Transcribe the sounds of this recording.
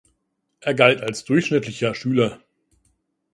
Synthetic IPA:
ʔeːɐɡaltalsd̥ʊɐçʃnɪtlɪçɐʃyːlɐ

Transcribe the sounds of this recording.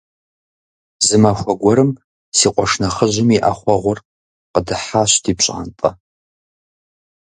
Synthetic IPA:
zɨmaxʷɔɡʷɔɾɨm | siːqʷʼɔʂnɐχəʑɪmiʔa̰χʷɔʁʷʊr | qədɨħaɕtʰiːpɕʼa̰ntʼɐ̰

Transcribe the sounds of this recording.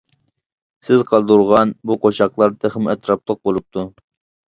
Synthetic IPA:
sɪzqʰɑlˠd̪uɾʁɑnbuqʰoʃɑqlˠɑɾt̪ʰeχmɛt̪ɾɑp̚lˠəq̚bolˠup̚t̪ʰu

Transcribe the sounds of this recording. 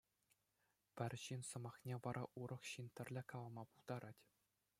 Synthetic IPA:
pʲɘ̆rʲɕinsɤ̆mɑχnʲeʋɑɾʔɑʔuɾʔɤ̆χɕint̪ʲɘ̆rʲlʲɘ̆kɑlˠɤ̆mɑpulˠd̪ɑɾʔɑtʲ

